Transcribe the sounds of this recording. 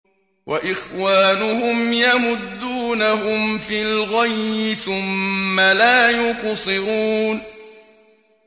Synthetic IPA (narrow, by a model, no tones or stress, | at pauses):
wʔaʔɪxwaːnʊhʊmjamʊd̪ːuːnaɦʊmfilɣajmɪθʊmːalaːjʊqsˤɨɾuːn